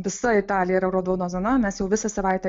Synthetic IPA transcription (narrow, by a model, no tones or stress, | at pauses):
ʋʲɪsɐɪt̪ɑːlʲɪjɛɾɐʊɾoːd̪oːnoːzɐnɐmʲɛsjɛʊʋʲɪsɐsɐʋɐɪt̪ʲɛ